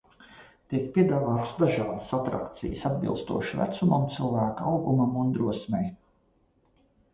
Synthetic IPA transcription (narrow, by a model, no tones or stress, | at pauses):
t̪ikpʲiɛd̪aːvaːt̪sd̪aʒɑːd̪əsat̪ɾa̰kt̪sḭjəsad̪̚bḭlˠst̪ṵɔʃivæ̰t̪sumamt̪silˠvæːkaawɡumamund̪ɾuɔsmʲɛj